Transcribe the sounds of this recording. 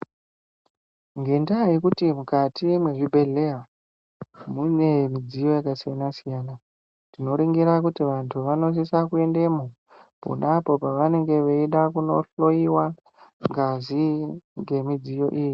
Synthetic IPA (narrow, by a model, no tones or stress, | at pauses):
ŋɡe̞ndajikutimukatimwe̞ʐibʱe̞ɮe̞ɦa | mune̞mid͡zijo̞jakasijanasijaːna | ndino̞ɾiŋɡiɾak̬utiʋantʰuʋano̞s̬isakue̞nde̞mo | po̰napo̞paʋane̞ŋɡe̞ʋeiɗakuno̞ɬo̞iwa | ŋɡaziŋɡe̞mid͡zijo̞̰ʔiːji